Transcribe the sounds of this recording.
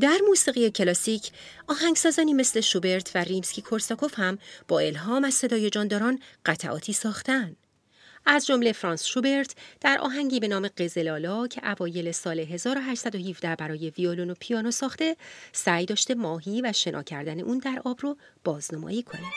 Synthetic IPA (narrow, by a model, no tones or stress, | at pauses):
d̪æɾmuːsiːɣijecʰe̞lɒːsicʰɒːhæŋɡsɒːzɒːniːmesle̞ʃube̞ɾt̪ʰværimscʲiːkʰo̞ɾsɒkʰo̞fhæmb̥ɒːe̞lɦɒːmæz̥se̞d̪ɒːje̞d͡ʒɒːnd̪ɒːɾɒːnɢæt̪ʰæʔɒ̰ːt̪ʰiːsɒːxt̪ænd̪̥ | æzd͡ʒo̞mle̞fɾɒːnsʃube̞ɾt̪ʰd̪̥æɾʔɒ̰ːɦæŋɟiːbe̞nɒːme̞ɢe̞ze̞lɒːlɒːcʰe̞ʔævɒːje̞le̞sɒːle̞ɦe̞zɒːɾo̞ɦæʃsæd̪ohivd̪æbæɾɒːje̞violonopʰijɒːnosɒːxt̪e̞sæjd̪ɒːʃt̪e̞mɒːɦiːvæʃe̞nʔɒ̰ːcʰæɾd̪æne̞ʔuːnd̪æɾʔɒːbrob̥ɒːznomɒ̰ːjiːkʰo̞næ̥